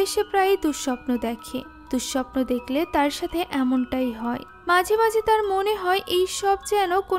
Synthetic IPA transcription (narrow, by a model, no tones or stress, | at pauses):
eʃepɾajd̪uʃʃɔpnod̪ɛkʰḛ | d̪̥uʃʃɔpnod̪ekʰlet̪aɾʃat̪ʰeʔɛmonʈajɦɔe | mad͡ʑʱemad͡ʑʱet̪aɾmoneɦɔeʔejʃɔbd͡ʑɛnoko